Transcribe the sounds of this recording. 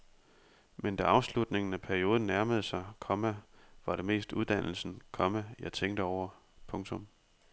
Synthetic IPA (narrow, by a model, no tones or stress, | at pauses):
mend̥æɑ̈ʊslud̥ne̝ŋn̩æpʰæɐio̝ːðˠn̩nːæɐməð̞̩ˠsɑ̈ɪkʰɒ̽mæʋɑ̈ɾ̥e̝me̝̰ːsd̥uð̞ˠd̥ænl̩sn̩kʰɒ̽mæjɑ̈ɪt͡sʰeŋ̰d̥əɒʊ̰ɐ | pʰɔ̽ŋt͡sʰɔ̽m